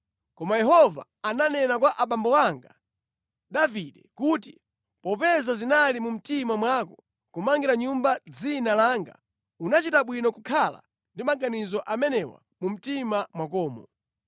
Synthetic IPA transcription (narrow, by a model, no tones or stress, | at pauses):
kɔmajɛɦɔva̰ːnanɛnakwaʔaɓambɔwaŋɡa̰ | ɗaviɗɛkuti | pɔpɛzazinalimum̩timamwakɔ | kumaŋɡiɾaɲumbad͡zinalaːŋɡa̰ | unat͡ʃitaɓwinɔkukʰala̰ | ndimaŋɡanizɔʔamɛnɛwa̰ | mum̩timamwakɔːmɔ